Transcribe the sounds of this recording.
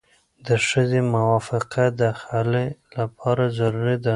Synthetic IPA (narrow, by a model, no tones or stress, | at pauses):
d̪əʃəzemʊwɑfɪqʰad̪əxalelapʰɑɾazaɾuɾid̪a